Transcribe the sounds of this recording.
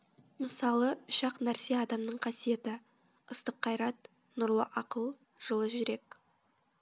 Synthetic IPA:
məsɑlˠəʊʃɑqnæɾseɑd̪ɑmnəɴqʰɑsije̞t̪ɪ | əst̪əqʰːɑjɾɑt̪ | nʊɾlˠə̰ʔɑqəlˠ | ʒ̥əlˠəʒʏɾe̞k

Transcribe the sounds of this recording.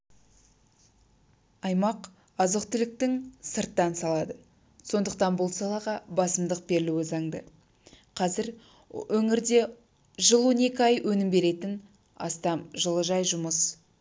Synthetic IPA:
ɑjmɑq | ɑzəqt̪ɪlɪk̚t̪ɪŋsəɾt̪ːɑnsɑlˠɑd̪ə | so̞nd̪əq̚t̪ɑnbʊlˠsɑlˠɑʁɑbɑsəmd̪əq̚be̞ɾɪluwɪzɑŋd̪ə | qʰɑzɪɾ | wɵŋɪɾd̪e̞ | ʒəlˠwo̞ne̞kʲɪɑjwʔɵnɪmbe̞ɾe̞t̪ɪn | ɑ̰st̪ɑmʒəlˠəʒɑjʒʊməs

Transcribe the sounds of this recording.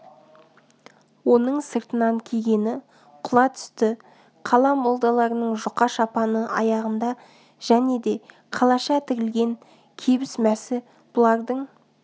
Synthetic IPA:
wo̞nəɴsəɾt̪ənɑŋkʲʰeɡʲe̞nɪ | qʰʊlˠɑt̪ʰʏ̥st̪ɪ | qʰɑlˠɑmo̞lˠd̪ɑlˠɑɾənəɴʒʊqɑʃɑpɑnəʔɑ̰jɑʁənd̪ɑ | ʒ̥æne̞d̪e̞ | qʰɑlˠɑʃɑt̪ʰɪɾɪlɡʲe̞ŋ | kʲʰe̞bɪsmæsɪ | b̥ʊlˠɑɾd̪əɴ

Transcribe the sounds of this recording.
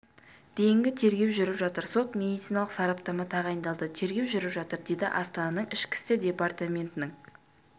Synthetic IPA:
d̪̥e̞jɪŋɡʲɪt̪ʰe̞ɾɡʲe̞wʒʏɾɪpʒɑt̪əɾso̞t̪mʲe̞d̪ijt̪sijnɑlˠəqsɑɾɑp̚t̪ɑmɑt̪ʰɑʁɑjənd̪ɑlˠd̪ət̪ʰe̞ɾɡʲe̞wʒʏɾɪpʒɑt̪əɾd̪e̞jd̪ɪ̰ʔɑst̪ɑnɑnəɴɪʃkʲɪ̥st̪ɪd̪ʲe̞part̪amʲe̞nt̪ɪnɪŋ

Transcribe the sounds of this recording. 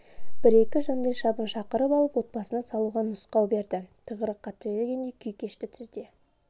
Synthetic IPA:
b̥ɪɾe̞kʲɪʒɑnd̪ɑjʃɑbənʃɑqəɾəpɑlˠəpwo̞t̪̚bɑsənɑsɑlˠuʁɑnʊsqɑwbe̞ɾd̪ɪt̪ʰəʁəɾəqʰːɑt̪əɾeɡʲe̞nd̪ejkʲʰʏjkʲʰe̞ʃt̪ɪt̪ʰʏɾd̪e̞

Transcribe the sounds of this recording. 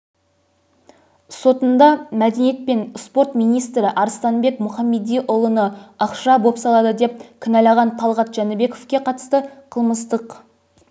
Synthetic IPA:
so̞t̪ənd̪ɑmæd̪e̞nije̞t̪̚pe̞nspo̞ɾt̪mijnijst̪ɾɪʔɑɾst̪ɑnbe̞kmʊχɑmːe̞d̪ijʔʊlˠənəɑqʃɑbo̞psɑlˠɑd̪əd̪e̞p̚kʲʰɪnɑlɑʁɑnt̪ʰɑlˠʁɑt̪ʒ̥ɑnɪbe̞ko̞fkʲe̞qʰɑt̪ə̥st̪əqʰəlˠməst̪əq

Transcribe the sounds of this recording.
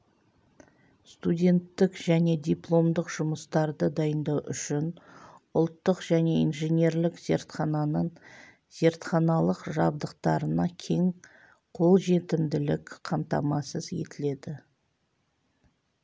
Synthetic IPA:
st̪udʲe̞nt̪ːɪkʒ̥æne̞d̪ʲijplˠo̞md̪əqʒ̥ʊməst̪ɑɾd̪əd̪ɑjənd̪ɑwʔʏʃɪnʊlˠt̪ːəqʒ̥æne̞inʒenʲe̞ɾlɪkz̥e̞ɾt̪χɑnɑnəɴ | z̥e̞ɾt̪χɑnɑlˠəqʒɑb̚d̪əqt̪ɑɾənɑkʲʰe̞ŋ | qʰo̞lˠʒe̞t̪ɪmd̪ɪlɪkqʰɑmt̪ɑ̰mɑsəzje̞̰t̪ɪle̞d̪ɪ

